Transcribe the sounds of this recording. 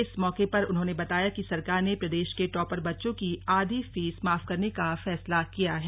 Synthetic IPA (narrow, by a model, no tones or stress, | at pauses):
ɪsmɔːkepɐɾʊnɦõːnebɐt̪aːjakisɐɾkaːɾnepɾɐd̪eːʃkeʈɔːpəɾbɐtːʃõkiaːd̪ʱifiːsmaːfkɐɾnekafɛːslakijaɦɛː